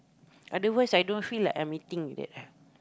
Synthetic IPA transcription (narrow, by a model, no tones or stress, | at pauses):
ʔadəwəsajdõnfilakãmit̪ĩŋṵdɛ̰t̚a